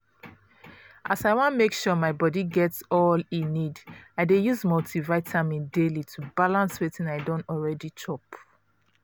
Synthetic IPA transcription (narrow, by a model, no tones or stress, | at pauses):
ʔasaɪwɔ̃nmekʃumaɪbɔdiɡɛtsɔlĩnːidaɪdejuzmɔltʰivaɪtʰamĩndelitʰubalãnswetĩnaɪdõntɔlɹɛdit͡ʃʰɔp